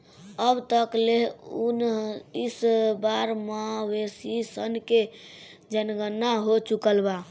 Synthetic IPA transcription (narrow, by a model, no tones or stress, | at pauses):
əbt̪əkleɦunisbaɾmawesisənked͡ʒənɡənːaɦot͡ʃukəlba